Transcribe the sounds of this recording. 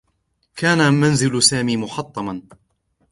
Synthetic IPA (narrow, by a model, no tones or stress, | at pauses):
kaːnamanzɪlsaːmiːmʊħɑt̪ˤːɑmɑn